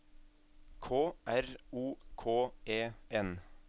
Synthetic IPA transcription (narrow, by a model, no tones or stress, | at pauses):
kʰoːʔæɾuːkʰoːʔeːɛn